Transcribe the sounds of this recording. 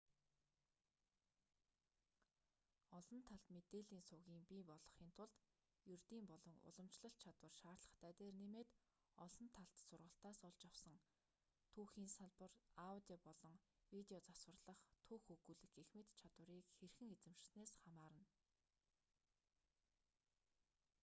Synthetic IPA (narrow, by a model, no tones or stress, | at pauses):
ɔɮɞ̆nt̪ʰːaɮt̪met̪eːɮiːnsʊɣiːmpiːpɔɮɞ̆χiːnt̪ʰʊɮt̪ | jɵrt̪iːmpɔɮɞ̆ŋʊ̰ɮə̆mt͡ɕɮə̆ɬt̪̚t͡ɕʰat̪wə̆rʃaːrɮə̆χt̪ʰæːt̪eːrnemeːt̪ | ɔɮɞ̆nt̪ʰaɬt̪sʊrʁə̆ɬt̪aːsɔɮt͡ɕaw̥sə̆ŋ | t̪ʰuːxiːnsaɮpə̆rawt̪ʲipɔɮɞ̆ŋwit̪eɔt͡saswə̆rɮə̆χt̪ʰuːxɵɣuːɮɘ̆kexmɘ̆t̪t͡ɕʰat̪wə̆ɾiːkxerxɘ̆ŋet͡sɘ̆mʃɪ̥̆sneːsχamaːɾə̆n